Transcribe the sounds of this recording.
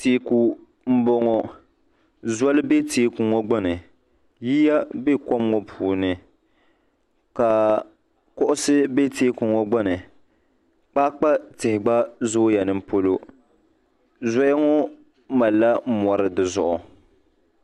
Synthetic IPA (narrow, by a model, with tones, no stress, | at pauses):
teː˨ku˨ | m̩˦bɔ˦ŋɔ˦ | zwa˦lɨ˦be˦teː˨˦kʊ˨ŋɔ˦ɡ͡ba˦nɨ˨ | ji˦ja˦be˦kɔ˦m˦ŋɔ˦pʰuː˨nɨ˨ | ka˨ | kʊ˦ʔʊ˦sɨ˦be˦teː˦kʊ˨ŋɔ˦ɡ͡ba˦nɨ˨ | k͡pa˦k͡pa˦tɪ˨hɪ˨ɡ͡ba˦zʊ˦ja˨nɨ˦˨m̩˦po˦lo˦ | zɔ˦ja˦ŋɔ˦ | ma˨lːa˦m̩˦mɔ˨ɾɨ˨dɨ˨zʊ˨ʔʊ˨